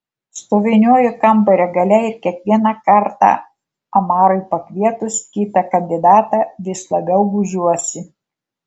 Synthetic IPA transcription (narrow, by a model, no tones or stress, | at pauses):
st̪oːʋʲɪnʲoːjʊkɐmbɐɾʲɛɡɐlʲɛɪɾkʲiɛkʋʲiɛnɑkɐɾt̪ɑ̰ː | ɐmɑːɾɔɪpɐkʲʋʲiɛt̪ʊskʲiːt̪ɐkɐnʲd̪ʲɪd̪ɑːt̪ɑːʋʲɪslˠɐbʲɛʊɡʊʒʲuɔsʲɪ